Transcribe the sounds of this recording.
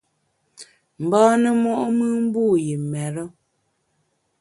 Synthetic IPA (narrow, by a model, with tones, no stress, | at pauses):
m̩˨bɔː˦nə˦mɔ˦ʔo˦mɨ˦m̩˦buː˦˨je˨mɛ˨ɾə˦